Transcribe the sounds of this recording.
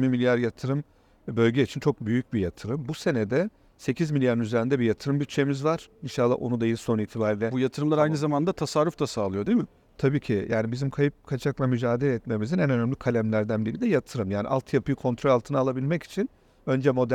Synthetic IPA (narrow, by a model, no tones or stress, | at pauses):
mimilʲjaɾjat̪ʰɯɾɯm | bø̞lʲɟɛit͡ʃʰint͡ʃʰo̞k̚byjyc̚bijat̪ʰɯɾɯmbuse̞nɛd̪ɛ | se̞cʰizmilʲjaɾɯnyze̞ɾind̪ɛbijat̪ʰɯɾɯmbyt̪̚t͡ʃːe̞mizvaɾ̥inʃalˠːa̰ʔo̞̰nud̪ajilʲso̞niːt̪ʰibaːɾilʲɛbujat̪ʰɯɾɯmlˠaɾajnɯzamand̪at̪ʰasaɾːuft̪asaːlˠɯjo̞d̪imɪ | t̪ʰabiːcʰijʔaːnibizimkʰajɯp̚kʰat͡ʃʰaklˠamyd͡ʒaːd̪elʲɛɛt̪me̞mizinænø̞næmlʲikʰalʲæmlʲæɾd̪ænbilʲid̪ɛjat̪ʰɯɾɯmjaːnḭʔa̰lˠt̪ʰjapʰɯjikʰo̞nt̪ʰɾo̞lʲalˠt̪ʰɯnalˠabilʲmɛci̥t͡ʃʰin | ø̞nd͡ʒɛmo̞d̪æ